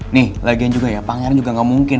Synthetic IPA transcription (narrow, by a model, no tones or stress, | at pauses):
nɪhlaɡiand͡ʒuɡajapaŋaɾand͡ʒuɡaŋɡamuŋkɪn